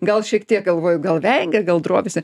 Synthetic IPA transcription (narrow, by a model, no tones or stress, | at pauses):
ɡɐlˠʃʲiɛkt̪ʲiɛk̚ɡɐlˠʋoːjʊɡɐlˠʋʲɛŋɡʲɛɡɐlˠd̪ɾoɔːʋʲɪsʲɛ